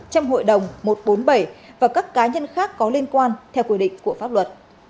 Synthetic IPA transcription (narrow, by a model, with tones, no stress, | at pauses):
t͡ɕɔ˧wmɦo̰˧˨jɗə˨˩wŋ͡mmo˨˩t̚ɓo˨˦nɓə˧˩jvaː˨˩kaː˦˥kːaː˨˦ɲə˧nxaː˦˥kːɔ˨˦li˧ənkwaː˧nt̪ʰɛ˧wkwi˧˩ɗḭ˧˨ŋ̟ku˧˩əfaː˦˥p̚lwə˨˩t̚